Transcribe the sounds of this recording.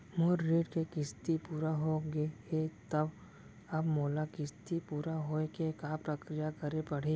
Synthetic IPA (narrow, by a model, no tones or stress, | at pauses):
moːɾːeːʈkekɪst̪ipuːɾaɦoɡeɦet̪ɐb | ɐbmoːlakɪst̪ipuːɾaɦoːekekaːpɾəkɾijakɐɾepɐɽ̤eː